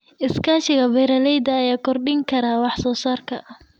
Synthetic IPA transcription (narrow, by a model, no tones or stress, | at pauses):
ʔɪskʰaːʃɪɣɐbɛjɾɐlɛjd̪ɐːjaːkʰɔrɖɪŋkʰɐɾaːwɑħsɔːsaːrkʰɐ